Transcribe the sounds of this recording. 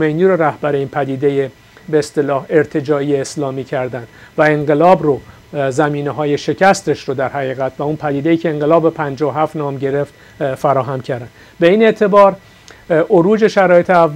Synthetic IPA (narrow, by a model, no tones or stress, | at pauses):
mejniːɾoɾæhbæɾeiːnpʰæd̪iːd̪eje | beːst̪e̞lɒːhe̞ɾt̪ʰe̞d͡ʒɒːieːslɒːmiːcʰæɾd̪ænd̪væeɴɢe̞lɒːbro | zæmiːneɦɒːje̞ʃe̞cʰæst̪e̞ʃɾod̪æɾhæɣiːɣæt̪ʰvæunpʰæd̪iːd̪e̞iːcʰe̞ːŋɢe̞lɒːbepʰænd͡ʒɒoɦæft̪nɒːmɟe̞ɾeft̪ | fæɾɒːɦæmcʰæɾd̪ænd̪ | be̞iːne̞ʔt̪ʰe̞bɒːɾ | ʔoɾuːd͡ʒe̞ʃæɾɒːjet̪ʰeævː